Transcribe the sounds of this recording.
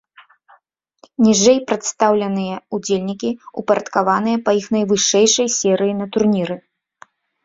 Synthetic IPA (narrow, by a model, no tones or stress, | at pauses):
nʲiʐɛjpɾɐt̪st̪awlʲɐnɨjɐud͡zʲelʲnʲikʲiupɐɾɐt̪kavan̪ɨjɐpɐixnɐjvɨʂɛjʂɐjsʲɛɾɨjinɐt̪urnʲiɾɨ